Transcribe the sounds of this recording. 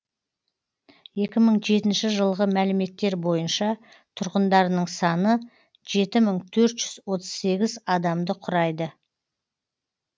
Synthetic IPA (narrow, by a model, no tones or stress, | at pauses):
je̞kʲɪməɴʒe̞t̪ɪnʃɪʒəlˠʁəmælɪme̞t̪ːe̞ɾbo̞jənʃɑ | t̪ʰʊɾʁənd̪ɑɾnəɴsɑnə | ʒe̞t̪ɪməɴt̪ʰɵɾt̪ʒ̥ʏzwo̞t̪əz̥se̞ɡʲɪzɑd̪ɑmd̪əqʰʊɾɑjd̪ə